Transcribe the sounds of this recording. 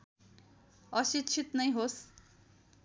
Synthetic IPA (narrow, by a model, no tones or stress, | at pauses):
ʌsitt͡ʃʰit̪nʌjɦos